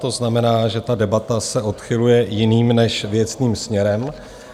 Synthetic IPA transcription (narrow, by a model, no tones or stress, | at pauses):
t̪o̞znamɛnaːʒɛt̪adɛbat̪asɛʔo̞t̪xɪlujɛjɪniːmnɛʃvjɛt͡sniːmsmɲɛɾɛm